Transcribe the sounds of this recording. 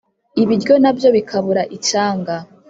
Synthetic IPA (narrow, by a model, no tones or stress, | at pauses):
iβiɾɟo̞nabjo̞βikʰaβuɾaʔit͡ʃaːŋɡa